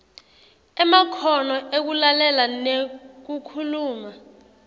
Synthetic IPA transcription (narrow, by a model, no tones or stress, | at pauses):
ɛmakʰɔnɔʔek̬ulalɛlanek̬ukʰuluːma